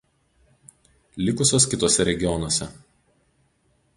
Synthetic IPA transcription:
lʲɪkʊsʲoːskʲɪt̪oːsʲɛɾʲɛɡʲɪjɔnoɔːsʲɛ

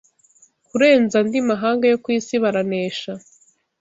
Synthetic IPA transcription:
kuɾe̞ːnzandimaɦaːŋɡajokwiːsiβaɾaneːʃa

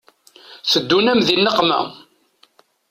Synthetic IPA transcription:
θəd̪ːunæmðinːəqːmæ̰

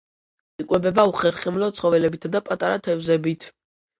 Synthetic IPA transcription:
ikʼwɛbɛbauχɛɾχɛmlɔt̪sʰχɔvɛlɛbit̪ʰad̪apʼat̪ʼaɾat̪ʰɛvzɛbit̪ʰ

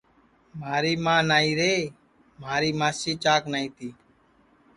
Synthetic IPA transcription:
maːɾiːmãːnaːiːɾeː | maːɾiːmaːsiːt͡ʃaːknaːiːt̪iː

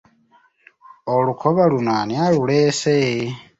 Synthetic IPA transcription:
olukʰoβalunanialulese

